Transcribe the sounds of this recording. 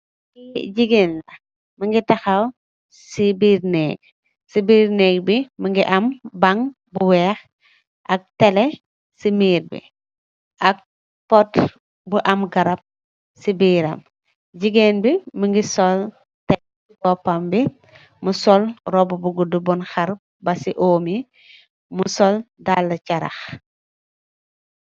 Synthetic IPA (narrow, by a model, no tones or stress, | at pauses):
iɟiɡeːnlɐ | mɐŋɡitɐxaw | sibiːɾnɛ̰ːɡ̚ | sibiːɾnɛːɡ̚bimɐŋɡiʔɐmbɐŋ | buwɛːx | ʔɐk̚tɛlɛ | simiːɾbḭ | ʔɐk̚ | pɔt | buʔɐmɡɐɾɐp̚ | sibiːɾɐ̰m | ɟiɡenbiməŋɡisɔl | tɛ | kɔpɐmbi | musɔlɾɔbubuɡudubɔnxaɾ̚ | bɐsiʔoːmi | musɔldalːɐcɐɾɐ̰x